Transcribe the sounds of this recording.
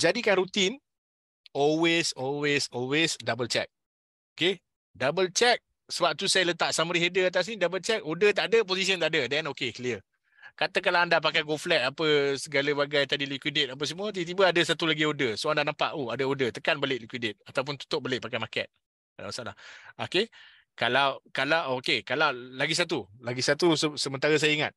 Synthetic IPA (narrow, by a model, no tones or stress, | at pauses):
d͡ʒadikanɾut̪in | ɔlwesɔlwesɔlwesdabəlt͡ʃɛ̰k̚ | oke | dabəlt͡ʃɛk̚ | səbap̚t̪usajalət̪aʔsaməɾiɦedəat̪̬as̬nidabəlt͡ʃɛk̚odət̪̬aʔdəp̬osisiənt̪aʔdədɛnokekliər | kat̪əkalaandap̬akajɡolflɛt̪̚apəsəɡaləbaɡajt̪adilikwidɪt̪̚ap̬əsəmũət̪ibət̪̬ibəadəsat̪ulaɡiodəsoandanampa̰ʔoadəodət̪əkanbəlɪʔlikwidɪt̪̚at̪awp̬ʊnt̪u̥t̪ʊʔ̚bəlɪʔpakajmakɛ̰t̪̚ | ada̰masaʔla̰ho̰ke | kalawkalawʔokekalawlaɡis̬at̪̬ulaɡisat̪usəsəmənt̪aɾəs̬ajəiŋa̰t̪̚